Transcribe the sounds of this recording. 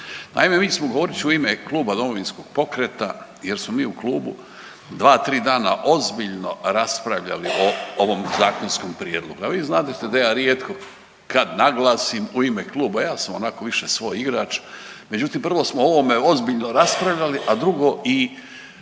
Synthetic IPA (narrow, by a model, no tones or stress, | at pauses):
na̰imemiːt͡ʃesmoɡoʋo̞ɾit͡ʃiuimeklˠuːbad̪o̞mo̞ʋinsko̞ɡ̥̚po̞kɾet̪a | jeɾsmomiːuklˠuːbu | d̪ʋaːt̪ɾiːd̪aːna̰ʔo̞zbiʎno̞ɾaspɾaʋʎa̰liʔooʋo̞mzaːkonskompɾijeːd̪lˠo̞̰ɡuaʋiːznaːt̪et̪ed̪ajaːɾjeːt̪ko | kad̪naɡlˠaːsimuimeklˠuːbajaːsamonako̞ʋiʃesʋo̞jiɡɾat͡ʃme̞d͡ʑut̪impr̩ʋo̞smoo̞ʋome̞o̞zbiʎnoɾaspɾaʋʎaliʔad̪ɾuɡo̞ʔi